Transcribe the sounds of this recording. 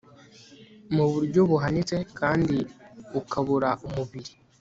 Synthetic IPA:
muβuɾɟo̞βuɦanit͡se̞kʰaːndiukʰaβuɾaʔumuβiɾi

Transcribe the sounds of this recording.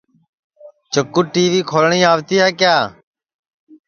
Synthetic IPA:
t͡ʃəkːuːʈiːʋiːkʰoːlɳĩːaːʋt̪iːɦaːkjaː

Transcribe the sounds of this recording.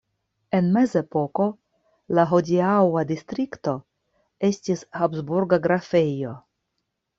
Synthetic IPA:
e̞nme̞ze̞po̞ko̞ | laɦo̞diawadist̪ɾikt̪o̞ | estishapzbuɾɡaɡɾafe̞jo̞

